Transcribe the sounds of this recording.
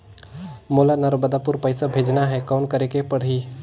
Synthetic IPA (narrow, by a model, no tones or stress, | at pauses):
molanəɾbəd̪apʊɾpəɪsabʱed͡ʒnaɦɛkɔːnkəɾekepəɽ̤i